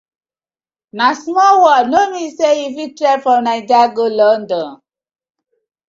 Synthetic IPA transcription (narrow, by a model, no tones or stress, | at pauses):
nasmɔwɔnomiseifitɾɛfɹɔ̃mnaɪdaɡolɔndɔ̃n